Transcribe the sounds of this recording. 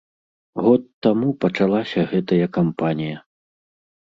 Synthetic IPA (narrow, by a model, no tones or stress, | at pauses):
ɣɔt̪ːamupɐt͡ʂalˠasʲɐɣɛt̪ɐjɐkampanʲijɐ